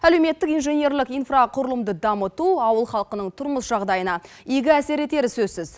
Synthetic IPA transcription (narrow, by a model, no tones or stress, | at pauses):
æle̞wme̞t̪ːɪkijnʐe̞nʲje̞ɾlɪkijnfraqʰʊɾəlˠəmd̪əd̪ɑmət̪uɑwəlˠχɑlˠəqənəɴt̪ʰʊɾməsʒ̥ɑʁd̪ɑjənɑ | eɡʲɪæse̞ɾe̞t̪e̞ɾɪsɵzsɪz̥